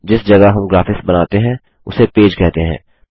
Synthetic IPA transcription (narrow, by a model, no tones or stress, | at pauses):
d͡ʒɪsd͡ʒɐɡaɦɐmɡɾaːfɪsbɐnaːt̪eɦɛ̃ | ʊsepeːd͡ʒkɛɦt̪eɦɛ̰̃ː